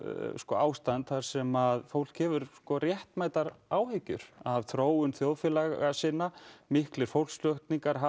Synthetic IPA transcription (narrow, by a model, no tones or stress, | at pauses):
skɔaːwst̪ant̪θaɾ̥sɛmaðfowl̥khɛvʏɾskɔrjɛht̪maːjt̪aɾaːwhɪcːʏɾ̥avθɾoːwʏnθjowðfjɛlaasɪnːamɪhklɪɾ̥fowl̥slœht̪niŋkaɾ̥a